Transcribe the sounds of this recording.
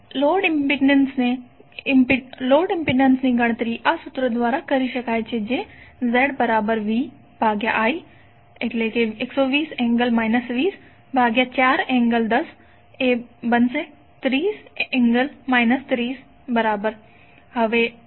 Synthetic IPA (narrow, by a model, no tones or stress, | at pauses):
loːɖɪmpiɖnənsne | loːɖɪmpiɖnənsnẽɡɐɽ̃t̪əɾiːʔɐsʊt̪ɾəd̪ʋaːɾakɐɾiʃɐkaːet͡ʃʰed͡ʒeːzɛːɽbɐɾaːbəɾʋiː | bʱaːɡja̰ʔaːiː | ɪkleːkeɪksɔːʋiːsɛ̃ːŋɡəlmaːɪnəsʋiːs | bʱaːɡjat͡ʃaːɾɛ̃ːŋɡəld̪ɐs | ebɐnse | t̪ɾiːsɛ̃ːŋɡəlmaːɪnəst̪ɾiːs | bəɾaːbəɾ | ɦɐʋeː